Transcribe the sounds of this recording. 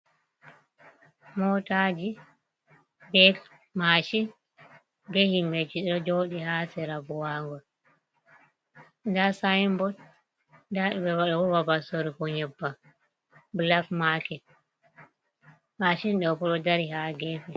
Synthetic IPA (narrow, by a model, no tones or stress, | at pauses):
mɔtad͡ʒi | bɛk | maʃin | behimbed͡ʒiɗɔd͡ʒɔɗihaːsɛɾabɔwaŋɡɔ | ndasajmbɔt | daɗɛbɛwaɗɔwɔwabasoɾikɔɲɛbːa | blafmakɛ | maʃinɗɔpɔɗɔdaɾihaɡɛfɛ